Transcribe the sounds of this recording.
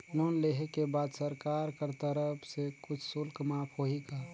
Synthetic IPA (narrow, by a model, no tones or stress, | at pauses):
lonleɦekebaːd̪səɾkaɾkəɾt̪əɾəpʰsekʊt͡ʃʰsʊlkmapʰɦoɦiɡa